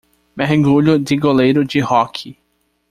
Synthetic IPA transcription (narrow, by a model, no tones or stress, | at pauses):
meɦɡuʎʊd̪ɪɡolejɾʊd͡ʒɪhɔkʰɪ